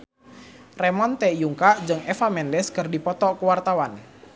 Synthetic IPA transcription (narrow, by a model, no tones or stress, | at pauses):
rɛmɔnt̪ɛjuŋkaʔd͡ʒɨŋɛfamɛndɛskərdipɔt̪ɔkuwart̪awan